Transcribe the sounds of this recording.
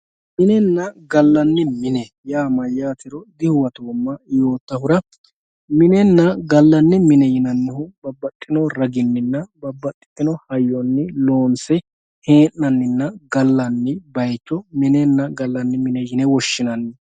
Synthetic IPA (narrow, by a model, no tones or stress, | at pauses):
mɪnɛnːɐɡɐlːɐnːɪmɪnɛ | jaːmɐjːaːt̪ɪɾɔd̪ɪhʊwɐt̪oːmːɐjo̞ːt̪ːɐhʊɾɐ | mɪnɛnːɐɡɐlːɐnːɪmɪnɛjɪnɐnːɪhʊbɐbːɐt̪ʼːɪnɔɾɐɡɪnːɪnːɐbɐbːɐt̪ʼːɪ̥t̪ʼːɪnɔhɐjɔnːɪlo̞ːnsɛ | heːʔːɐnːɪnːɐɡɐlːɐnːɪbɐjt͡ʃːɔmɪnɛnːɐɡɐlːɐnːɪmɪnɛjɪnɛwɔʃːɪnɐnːɪ